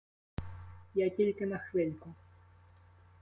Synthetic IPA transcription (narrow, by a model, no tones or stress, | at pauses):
jatʲilʲkɪnɐxvɪlʲkʊ